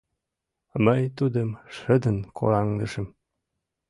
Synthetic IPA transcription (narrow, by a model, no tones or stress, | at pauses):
məjt̪ud̪ə̆mʃə̆d̪ə̆nkʰo̰ɾɑŋd̪ə̆ʃə̆m